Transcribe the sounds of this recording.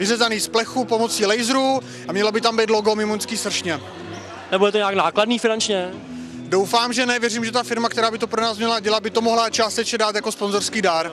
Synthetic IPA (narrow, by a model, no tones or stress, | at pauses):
vɪrɛzaniːsplɛxuːpo̞mo̞t͡siːlɛjzɾu | amɲɛlabɪt̪ambɛjd̪lo̞ɡo̞mɪmonskiːsr̩ʃɲɛ | nɛbudɛt̪oɲɛaknaːkladniːfɪnant͡ʃɲɛ | do̞wfaːmʒɛnɛvjɛriːmʒɛt̪afɪɾmakt̪ɛɾaːbɪt̪o̞pɾo̞naːsmɲɛlaɟɛlabɪt̪o̞mo̞ɦlat͡ʃaːst̪ɛt͡ʃɲɛdaːt̪jako̞spo̞nzo̞ɾskiːdaɾ